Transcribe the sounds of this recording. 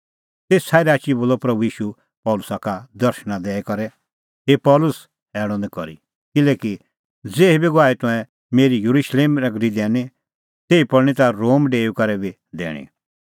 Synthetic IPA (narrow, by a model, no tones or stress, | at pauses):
t̪eːsʰaːiɾaːt͡ʃiboːlɔpɾɐbuiːʃu | pɔːlʊsakad̪ɐɾʃɽ̃ãd̪ɛːɛkɔɾɛ | ɦepɔːlʊs | ɛːɽ̃ɔ̃nd̪ɛkɔ̰ɾḭ | kɪlɛːki | d͡zeːibiɡʋaːit̪ʊ̃ɛ̃ | meːɾijuɾuʃleːmnɐɡɾid̪ɛːni | t̪eːipɔɽɽ̃it̪aɾoːmɖeːukɐɾɛbi | d̪ɛ̰ːɽ̃ḭ̃